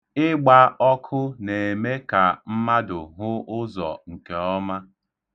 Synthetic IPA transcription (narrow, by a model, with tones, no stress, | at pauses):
ɪ˦ɡ͡ba˦ɔ˦kʰʊ˦ne˨e˨me˦ka˨m̩˦ma˦dʊ˨ɦʊ˦ʊ˦zɔ̰˨ŋ̩˨ke˨ɔ˦ma˦